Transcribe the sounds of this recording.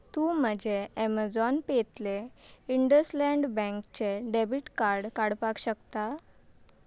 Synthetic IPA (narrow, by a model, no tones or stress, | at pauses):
t̪ũːm̤əd͡ʑeɛmad͡zɔnpet̪leiɳɖəslɛ̃ɳɖbɛ̃ŋkt͡ɕeɖebiʈkaɾɽkaɽpakɕəkt̪a